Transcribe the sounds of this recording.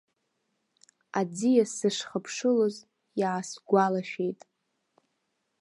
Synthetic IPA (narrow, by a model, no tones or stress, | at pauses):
ad͡zijasɨʂχəpʰʂɨloz | jaːsɡʷalaʃᶣe̞jtʼ